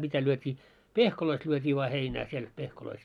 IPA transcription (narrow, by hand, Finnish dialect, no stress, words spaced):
mitæ lyøtʲiː pehkoloist lyøtʲiː ʋoɑ heinæː siel pehkoloist